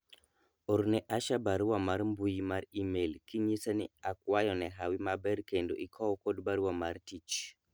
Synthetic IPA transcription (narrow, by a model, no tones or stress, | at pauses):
oɾnɛʔaʃabaɾwamaɾmbujimaɾimelkiɲisaniakwajɔnɛɦawimabɛɾkendo̰ʔikʰɔwkodbaɾuwamaɾtit͡ʃ